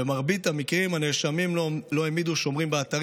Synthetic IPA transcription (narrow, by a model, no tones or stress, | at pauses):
emaʁbit̪hamikʁimhaneʃamimlo̞emid̪uʃo̞mʁimbeat̪aʁ